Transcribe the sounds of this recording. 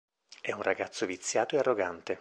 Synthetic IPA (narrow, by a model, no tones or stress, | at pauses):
ɛunrʔaɡat̪sːovit̪sːjaːt̪oearːoɡant̪e